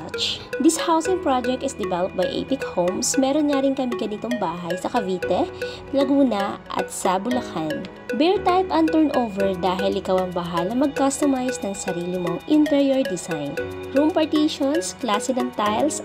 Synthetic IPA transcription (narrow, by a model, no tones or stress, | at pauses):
t͡ʃd̪ɪshawsɪ̃ŋpɹad͡ʒɛk̚t̪ɪsd̪ɛvɛlɐp̚bɐjʔɛ̰pɪkhowmsmɛːɾonɲaɾɪŋkɐmɪɡɐnit̪oŋbaːɦɐjsɐkɐviːt̪ɛ | lɐɡuːnɐʔɐ̰t̪̚sɐbʊlɐkʰan | bɛɹt̪ajpɐnt̪ɛɹnʔowvɛɹd̪aːɦɪlʔɪkawɐŋbɐɦalɐmɐɡ̚kast̪omajsnɐŋsɐɾiːlɪmoŋʔɪnt̪ɛɹjoɹd̪ɪsajn | ɹumpɐɹt̪iʃonsklaːsɛnɐŋt̪ajls